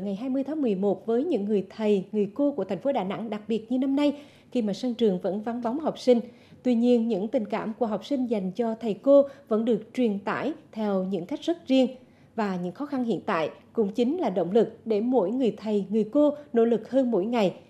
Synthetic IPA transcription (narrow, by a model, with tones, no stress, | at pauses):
ŋa˨˩jɦaː˧jmɨ˧əjt̪ʰːŋmɨ˨˩əjmo˨˩t̚vəː˨˦jɲɨ̰˧˥ŋːɨ˨˩əjt̪ʰə˨˩jŋɨ˨˩əjko˧ku˧˩ət̪ʰɛ˨˩ŋ̟fo˨˦ɗaː˨˩na̰˧˥ŋɗa˨˩k̚ɓi˨˩ət̚ɲɨ˧na˧mna˧j | xi˧maː˨˩sa˧ŋt͡ɕɨ˨˩əŋvə̰˧˥nva˨˦nva˨˦wŋ͡mɦa˨˩wk͡p̚sï˧ŋ̟ | t̪wi˧ɲi˧ənɲɨ̰˧˥ŋt̪ï˨˩ŋ̟ka̰ː˧˩mku˧˩əɦɔ˨˩wk͡p̚sï˧ŋ̟za˨˩jŋ̟t͡ɕɔ˧t̪ʰə˨˩jko˧və̰˧˥nɗɨ˨˩ək̚t͡ɕwi˨˩ənt̪a̰ː˧˥jt̪ʰɛ˧wɲɨ̰˧˥ŋka˦˥jk̟̚z̥ə˦˥t̚zi˧əŋ | vaː˨˩ɲɨ̰˧˥ŋxɔ˨˦xa˧nhḭ˧˨ənt̪a̰ː˧˨jkʊ̰˧˥ŋ͡mt͡ɕi˨˦ŋ̟laː˨˩ɗo̰˧˨wŋ͡mlɨ˨˩k̚ɗe˧˩mo̰˧˥jŋɨ˨˩əjt̪ʰə˨˩jŋɨ˨˩əjko˧no̰˧˥lɨ˨˩k̚həː˧nmo̰˧˥jŋa˨˩j